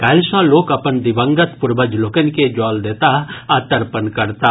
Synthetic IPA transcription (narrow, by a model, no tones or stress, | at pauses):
kaːlʃãloːkɐpənd̪ɪbə̃ŋɡət̪pʊɾbəd͡ʒloːkənked͡ʒaːld̪eːt̪aaːt̪əɾpənkɐɾt̪aː